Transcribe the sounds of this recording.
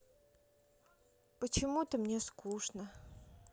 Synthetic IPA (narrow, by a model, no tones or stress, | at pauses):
pət͡ɕɪmut̪əmnʲeskuʂnə